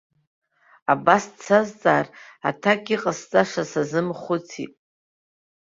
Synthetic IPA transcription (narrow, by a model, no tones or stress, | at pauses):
abast͡sʰazt͡sʼaːratʰakʲʼiqʼast͡sʼaʂasazɨmχʷʊt͡sʰḭtʼ